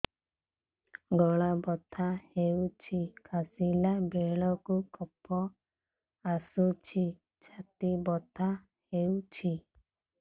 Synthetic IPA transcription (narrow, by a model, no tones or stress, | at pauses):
ɡɔɭabɔt̪ʰahewt͡ʃʰikʰasilabeɭɔkukɔpʰɔ | asut͡ʃʰi | t͡ʃʰat̪ibɔt̪ʰa | hewt͡ʃʰi